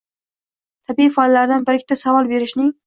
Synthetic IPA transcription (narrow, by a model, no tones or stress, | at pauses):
t̪ʰabiifɒlːaɾd̪anbɪɾɪk̚ʲt̪ʰasavɒlˠbe̞ɾɪʃnɪŋ